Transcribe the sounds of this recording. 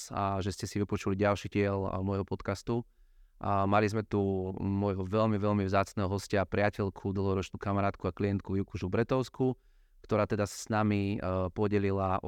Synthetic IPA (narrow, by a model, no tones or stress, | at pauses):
aʒɛscɛsiʋipɔt͡ʃuliɟalʃiɟɪɛlmɔjɦɔpɔt̪kast̪u | malizmɛt̪umɔjɦɔʋɛʎmiʋɛʎmivzaːt͡snɛɦɔɦɔscapɾɪacɛʎkʰud̪l̩ˠɦɔɾɔt͡ʃnuːkamaɾaːt̪kuakliɛnt̪̚kujukuʒuvbɾɛt̪ɔʊsku | kt̪ɔɾaːt̪ɛd̪asḁsnamipɔɟɛlilaʔɔ